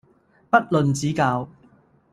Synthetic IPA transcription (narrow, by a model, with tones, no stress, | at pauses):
pɐ˥t̚lɵ˨nt͡siː˨˥kaː˧w